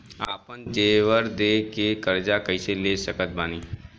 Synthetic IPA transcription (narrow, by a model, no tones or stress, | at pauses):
aːpənd͡ʒeːʋəɾd̪eːkekəɾd͡ʒakɐɪseleːsəkət̪̚baːniː